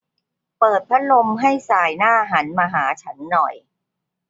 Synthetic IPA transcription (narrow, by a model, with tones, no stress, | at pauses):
pɤː˨˩t̪̚pʰɾa˦˥lo˧mɦa˥˩jsaː˨˩jnaː˥˩ʔa˧ɦaː˩˦nmaː˧ɦaː˩˦t͡ɕʰa˦˥nːɔ˨˩j